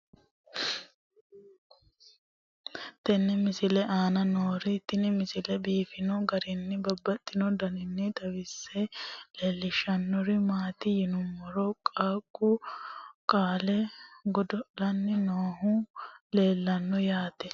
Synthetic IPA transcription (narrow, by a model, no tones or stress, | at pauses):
t̪ɛnːɛmɪsɪlɛʔaːnɐnoːɾɪt̪ːɪnɪmɪsɪlɛbiːfɪnɔɡɐɾɪnːɪbɐbːɐt̪ʼːɪnɔd̪ɐnɪnːɪt̪ɐwɪsːɛleːlːɪʃɐnːɔɾɪmaːt̪ɪjɪnʊmːɔɾɔkʼaːkʼːʊ | kʼaːlɛɡɔd̪ɔʔlɐnːɪnoːɦʊle̞ːlːɐnːɔjaːt̪ɛ